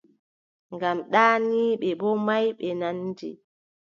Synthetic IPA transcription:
ŋɡamɗaːniːɓɛbɔmajɓɛnandḭ

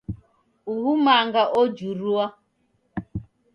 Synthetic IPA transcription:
uɦumaŋɡaʔɔd͡ʒuɾua

